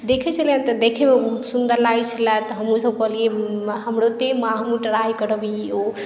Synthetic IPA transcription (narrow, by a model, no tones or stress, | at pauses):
d̪ekʰɛt͡ʃʰələnt̪ɔd̪ekʰemebəɦut̪sund̪əɾlajt͡ʃʰəlat̪ɔɦəmusəbkəɦlieɦəmɾot̪emaɦmuʈəɾajkəɾəbio